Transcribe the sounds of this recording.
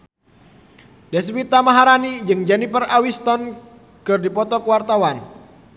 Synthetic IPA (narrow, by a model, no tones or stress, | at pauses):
dɛs̬wit̪amaɦaɾanid͡ʒɨŋd͡ʒɛnipərawist̪ɔn | kɨrdipɔt̪ɔkəwart̪awan